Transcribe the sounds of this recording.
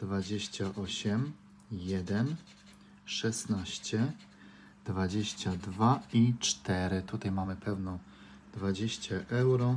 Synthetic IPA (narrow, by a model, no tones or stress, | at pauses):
d̪vad͡ʑeɕt͡ɕaʔɔɕɛm | jɛd̪ɛn | ʂɛsnaɕt͡ɕɛ | d̪vad͡ʑeɕt͡ɕad̪vait͡ʂt̪ɛɾɘt̪ut̪ajmamɘpʰɛwnɔ̃ | d̪vad͡ʑeɕt͡ɕaʔɛwɾɔ